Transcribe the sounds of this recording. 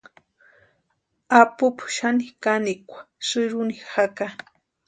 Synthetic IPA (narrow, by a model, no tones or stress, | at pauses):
apʊpʊ̥ʃanikanikʷḁsɨɾunixaka